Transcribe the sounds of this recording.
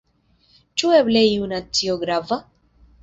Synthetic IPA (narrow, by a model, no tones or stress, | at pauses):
t͡ʃuebleiunat͡sioɡɾava